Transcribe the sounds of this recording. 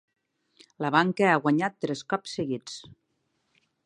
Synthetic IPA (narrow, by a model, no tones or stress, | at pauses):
ləβaŋkəaɣwaɲat̪ːɾɛskɔpsːəɣit͡s